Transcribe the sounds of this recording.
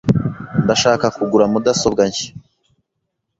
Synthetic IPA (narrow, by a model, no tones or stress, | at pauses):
ndaʃaːkakuɡuɾamudasobɡaɲçi̥